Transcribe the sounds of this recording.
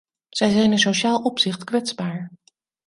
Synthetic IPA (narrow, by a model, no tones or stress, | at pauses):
z̥ɛjzɛjnənsoʃaːlˠʔɔpsɪχtkʋɛtz̥baːɹ